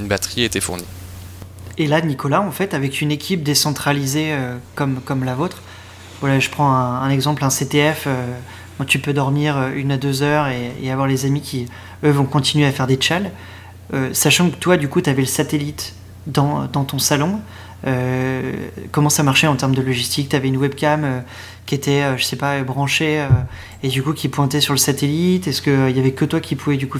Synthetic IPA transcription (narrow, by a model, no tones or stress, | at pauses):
ynbat̪χiet̪ɛfṵʁni | elanikɔlaɑ̃fɛt̪avɛkʲynekʲip̚d̪esɑ̃t̪χalizeøkɔmkɔmlavot̪χ | vwalaʒəpχɑ̃ɛ̃ɛ̃nɛɡzɑ̃plɛ̃set̪eɛfø | kɑ̃t̪ypød̪ɔʁmiʁøynad̪øzœʁeḛavwaʁlezamikʲi | øvɔ̃kɔ̃t̪inɥeafɛʁd̪et͡ʃal | øsaʃɑ̃kə̥t̪wad̪ykut̪yavɛləsat̪elit̪ | d̪ɑ̰̃d̪ɑ̃t̪ɔ̃salɔ̃ | ø | kɔmɑ̃samaʁʃɛɑ̃t̪ɛʁmd̪əlɔʒist̪ik̚t̪yavɛynwɛbkʲamø | kʲiet̪ɛøʒəsɛpaøbʁɑ̃ʃeø | ed̪ykukʲipwɛ̃t̪ɛsyʁləsat̪elit̪ɛskəøiljavɛkət̪wakʲipʰuvɛd̪yku